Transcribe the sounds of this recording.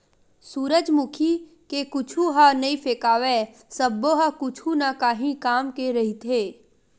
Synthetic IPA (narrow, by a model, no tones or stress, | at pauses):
suːɾəd͡ʒmʊkʰi | kekʊt͡ʃʰuɦanɐĩpeːkaːʋe | səbːoɦakʊt͡ʃʰunakaːɦĩkaːmkeɾɐɦit̪ɦeː